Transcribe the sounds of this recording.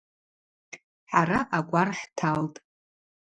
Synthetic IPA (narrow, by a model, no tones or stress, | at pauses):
ħaɾaʔakʷʼarħtʰaltʼ